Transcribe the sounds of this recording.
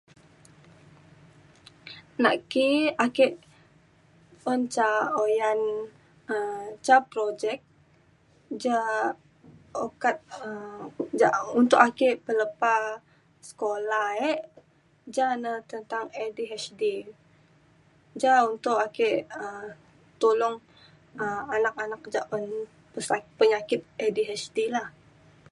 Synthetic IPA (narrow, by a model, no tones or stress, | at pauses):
na̰ʔkiakɛʔ | ont͡ʃaojan | ət͡ʃapɾod͡ʒɛk̚ | d͡ʒa | okat̪̚əd͡ʒaunt̪ʊʔakeʔpələpa | sə̥kolahɛʔ | d͡ʒanət̪ənt̪aŋɛdiɦɛsdi | d͡ʒaunt̪ʊʔakeʔəm | t̪olɔŋ | əmanak̚anak̚d͡ʒaʔɔn | pəsapəɲakɪt̪̚ɛdiɦɛsdilah